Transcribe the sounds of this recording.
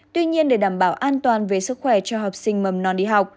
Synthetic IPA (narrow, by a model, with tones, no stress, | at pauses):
t̪wi˧ɲi˧ənɗe˧˩ɗaː˧˩mɓaː˧˩wʔaː˧nt̪waː˨˩nve˨˩sɨ˦˥k̚xwɛ˧˩t͡ɕɔ˧ɦɔː˨˩p̚sï˧ŋ̟mə˨˩mnɔ˨˦nɗḭ˧ɦa˨˩wk͡p̚